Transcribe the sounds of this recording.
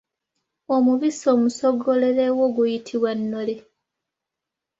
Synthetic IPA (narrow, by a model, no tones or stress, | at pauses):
omuβiso̞ːmusoɡo̞le̞ɾewoːɡujitʰiβwanːole